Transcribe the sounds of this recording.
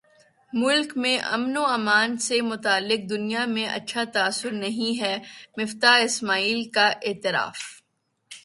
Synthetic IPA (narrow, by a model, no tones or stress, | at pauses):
mʊlkmẽʔɐ̰mnoɐːmaːnsemʊt̪aːlːɪk̚d̪ʊnijamẽʔɐ̰tːʃʰat̪aːsːʊɾnɐɦĩɦɛːmɪft̪aːɦɪsmaːiːlkaʔeːt̪ɪɾa̰ːf